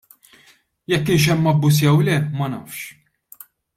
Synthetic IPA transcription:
jɛkːɪnʃ̬ɛmːɐbːʊs̬jɛwlɛmɐnɐːfʃ

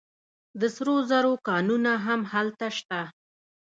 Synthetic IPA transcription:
d̪əsɾozaɾokɑnunaɦamhalt̪aʃt̪a

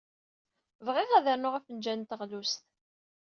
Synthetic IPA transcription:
vʁɪʁæðəɾnʊʁæfənd͡ʒænt̪əʁlust̪

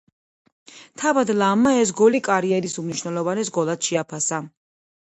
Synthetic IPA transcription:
t̪ʰavad̪lˠamːaɛs̬ɡɔlikʼaɾiɛɾisumniʃwnɛlˠɔvanɛsɡɔlˠad̪ʃɛapʰasa

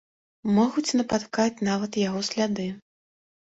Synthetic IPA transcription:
mɔɣut͡sʲnɐpat̪kat͡sʲnavɐt̪jaɣɔsʲlʲad̪ɨ

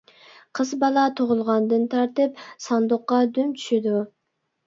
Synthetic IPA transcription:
qʰəzbɑlˠɑt̪ʰoʁʊlˠʁɑnd̪ɨnt̪ʰɑɾt̪ɨp̚sɑnd̪ʊqːɑd̪ymt͡ʃʰy̥ʃɪd̪u

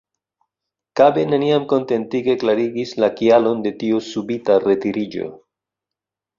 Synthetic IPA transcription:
kabe̞neniamko̞nte̞ntiɡe̞klaɾiɡislakialo̞nde̞tiusubitare̞tiɾid͡ʒo̞̰

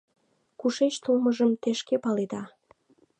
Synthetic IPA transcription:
kuʃet͡ɕt̪ulməʒəmt̪eʃkepɑled̪ɑ

